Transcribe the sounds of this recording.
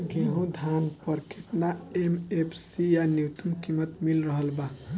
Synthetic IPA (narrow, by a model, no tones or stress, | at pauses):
ɡeɦõd̪ʱanpəɾkʰeʈ̪naemepʰsijanjut̪umkimət̪milɾəɦəlba